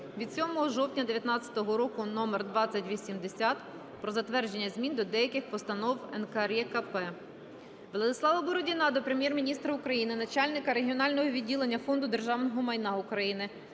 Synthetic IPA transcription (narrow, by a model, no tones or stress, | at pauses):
ʋʲid̪̥sʲɔmɔɦɔʒɔwtʲnʲɐd̪eʋʲjɐt̪nɑt̪t͡sʲɐ̥t̪ɔɦɔɾɔkʊnɔmerd̪ʋɑt͡sʲːɐtʲʋʲisʲimd̪esʲat̪ | pɾɔzɐt̪ʋɛrd͡ʒe̞nʲːɐzʲmʲind̪ɔd̪ɛjɐkɪxpɔst̪ɐnɔwɛnkɐrjɛkɐpɛ | ʋlˠɐd̪ɪslˠɑʋɐbɔɾɔdʲinɑd̪ɔpɾemʲjɛrmʲinʲist̪ɾɐʊkɾɐjinɪnɐt͡ʃalʲnɪkɐɾeɦʲiɔnɑlʲnɔɦɔʋʲidʲːilˠe̞nʲːɐfɔnd̪ʊd̪e̞rʒɑwnɔɦɔmɐjnɑʊkɾɐjinɪ